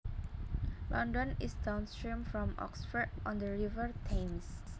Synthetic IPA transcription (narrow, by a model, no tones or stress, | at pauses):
lʔɔ̃ndə̃nisdãnstɹĩmfɹɔ̃mɔ̰ksfədɔ̰̃ndəɹivəɹt̪ʰẽms